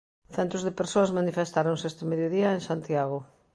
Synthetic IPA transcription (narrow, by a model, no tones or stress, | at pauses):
θɛnt̪ʊzðɪpeɾsoɐazmanifest̪aɾoŋsest̪ɪmeðjoðiɐeŋsant̪jaɣʊ